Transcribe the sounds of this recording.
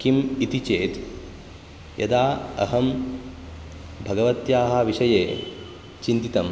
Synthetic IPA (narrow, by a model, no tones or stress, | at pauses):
kimit̪it͡ʃeːt̪ | jʔɐ̰d̪aːɐ̰ɦɐm | bʱɐɡɐʋɐt̪jaːɦɐʋiʂɐjeː | t͡ʃint̪it̪ɐm